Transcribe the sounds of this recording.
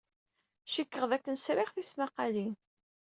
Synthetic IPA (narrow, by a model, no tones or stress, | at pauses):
ʃəkːəʁðækːənsɾɪχθismaqɑlin